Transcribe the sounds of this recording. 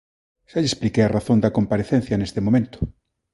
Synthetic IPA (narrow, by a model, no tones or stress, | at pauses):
ʃaʎesplikearaθõnd̪ɐkompaɾeθen̟θjɐnest̪emõmẽnt̪ʊ̥